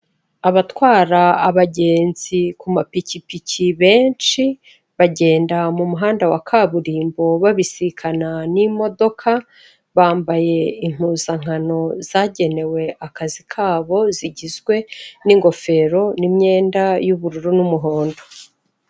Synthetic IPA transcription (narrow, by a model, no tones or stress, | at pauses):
aβatwaːɾaːβaɟe̞ːnz̥ikumapicipicʰiβe̞ːnt͡ʃi | βaɟe̞ːndamumuɦaːndawakʰaβuɾiːmbo̞βaβisikʰananimo̞do̞kʰa | βaːmbaje̞im̥uːzaŋ̥ano̞z̥aɟe̞ne̞we̞ʔakazikʰaːβo̞ziɟizɡwe̞niŋɡo̞fe̞ɾo̞nimɲe̞ːndajuβuɾuɾunumuɦo̞ːndo